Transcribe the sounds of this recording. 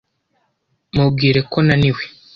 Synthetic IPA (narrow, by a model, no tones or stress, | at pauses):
mub̚ɡiːɾe̞ko̞naniwe̥